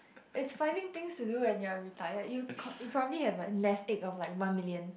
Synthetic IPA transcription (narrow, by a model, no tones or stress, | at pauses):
ʔɪtsfãɪ̃ndɪ̃ŋt̪ɪ̃ŋstuduɛ̃njuaɹitʰajəjukʰjupʰɹɔbəblihɛvəlɛsekɔflaɪkwãnmiljə̃n